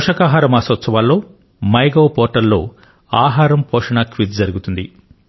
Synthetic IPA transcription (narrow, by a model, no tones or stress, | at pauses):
ʂɐkaːɦaːɾɐmaːsʋɐt̪sɐʋaːlːo̞ː | mɐjɡoːpɔːʈɐɾlo̞̰ː | aːɦaːɾɐmpɔːʂɐɳɐkʋit̪d͡ʒɐɾuɡut̪und̪i